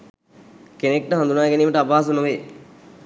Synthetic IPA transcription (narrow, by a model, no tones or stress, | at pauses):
kenek̚ʈəɦand̪unaːɡeniːməʈəapaːs̬unuʋeː